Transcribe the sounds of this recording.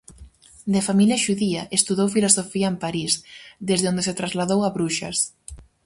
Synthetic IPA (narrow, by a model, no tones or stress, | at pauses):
d̪efamiljɐʃuðiɐʔest̪uðowfilosofiɐempaɾisd̪ezðeond̪eset̪ɾazlaðowaβɾuʃɐ̰s